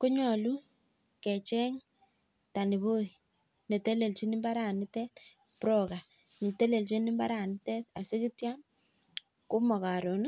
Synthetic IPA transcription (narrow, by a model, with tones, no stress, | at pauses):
ku˦ɲɔ˨lu˦ | kɛ˨t͡ʃɛ˦ŋ | ta˨ni˨βo˦i˨ | ne˨te˦le˨lt͡ʃi˦ni˦mba˦ɾa˨nɪ˦tɛ˦t | pɾo˦ka˨ | ni˨te˦le˨lt͡ʃi˦ni˦mba˦ɾa˨nɪ˦tɛ˦t̚a˨sɪ˦ki˦tja˦n | ku˦mɔ˨ka˨ɾo˨n˦